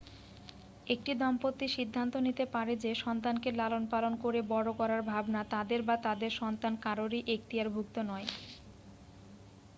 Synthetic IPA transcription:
ek̚ʈid̪ɔmpot̪ːiʃid̪ʱːant̪onit̪epaɾed͡ʑeʃɔnt̪ankelalonpalonkoɾebɔɽokɔɾaɾbʱabnat̪ad̪eɾbat̪ad̪eɾʃɔnt̪ankaɾoɾiʔek̚t̪ijaɾbʱuk̚t̪onɔe

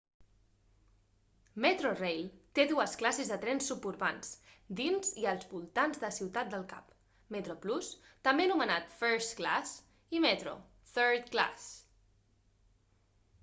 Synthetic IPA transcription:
met̪ɾorejlˠt̪eðuəsklasezðət̪ɾɛnsːupuɾβansd̪inziəlˠzβulˠt̪anzðəsiwt̪at̪̚d̪əlˠka̰p | mət̪ɾoplus | t̪əmbenumənat̪fəɾst̪kla̰s | imɛt̪ɾo̰ | θəɾt̪kla̰s

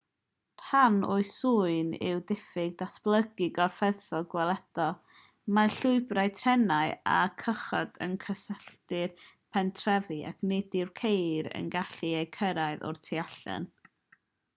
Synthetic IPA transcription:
r̥hanʊɨsuɨnɪ̰wdɪfɪɡ̚dasplˠəɡɪɡɔrfɛθɔlˠɡwɛlˠɛd̥ɔ | maɬʊɨbraɨtʰɛnaɨa̰kʰəχɔ̰d̥ə̰nkʰəsɛɬtɨr | pʰɛntʰrɛvia̰kʰnɛdɪrkʰejɾə̰nɡaɬiejkʰəɾajðɔ̰rtʰiaɬɔ̰n

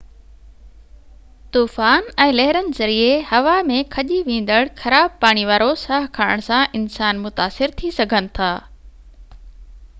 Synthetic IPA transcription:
t̪uːfaːnɛ̃ːlɛɦɪɾənɪ̆zɐɾiehɐʋamẽkʰɐʄiʋẽːn̆d̪əɽxɐɾaːb̚paːɽ̃iʋaːɾosaːɦkʰaːɽəɽ̃sãʔɪnsaːnmʊt̪aːsɪɾt̪ʰisɐɡʱənɪ̆t̪ʰaː

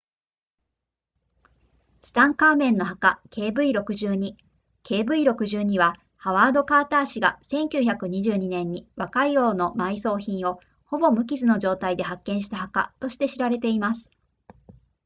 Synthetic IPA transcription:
sɨ̥t̪ãŋkaːmẽ̞nːo̞ɦakakʰe̞ːbɯ̟iɾo̞kɯ̟ʑɨːɲ̟i | ke̞ːbɯ̟iɾo̞kɯ̟ʑɨːɲ̟iβa | haβaːd̪o̞kaːt̪aːɕiɡa̰sẽ̞ŋkʲɨːçakɯ̟ɲ̟iʑɨːɲ̟inẽ̞ɲ̟ːiβakaijo̞ːno̞maiso̞ːçĩɰ̃o̞ | ho̞bo̞mɯ̟k̬ʲizɨno̞ʑo̞ːt̪aid̪e̞ɦakːẽ̞ɰ̃ɕi̥t̪ahaka̰t̪o̞ɕi̥t̪e̞ɕiɾaɾe̞t̪e̞imasɨ̥

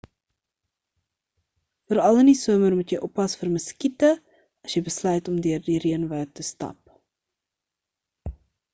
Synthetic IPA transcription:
fəɾɐlˠəndisuəmərmutjəjʔɔpɐsfərməskitə | ɐsjəjbəslœɥtɔmdøərdiriənvəːtəstɐ̰p̚

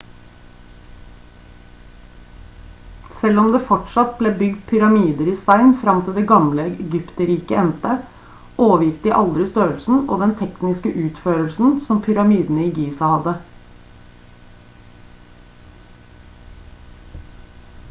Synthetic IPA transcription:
sɛlɔmd̪eːfɔʈʂɑt̪̚bleːbʏɡd̪̚pʰʏɾɑmiːd̪əɾiːst̪æɪnfɾɑmt̪ʰɪld̪eːɡɑmləɛɡʏpt̪əɾiːkəɛnt̪ə | ʔoːʋəjɪft̪̚ɪʔɑld̪ɾɪst̪øːəlsn̩o̰ːd̪ɛnt̪ʰɛknɪskəʔʉːt̪føːɾəlsn̩sɔmpʰʏɾɑmiːd̪n̩əiːɡiːsɑhɑd̪ə

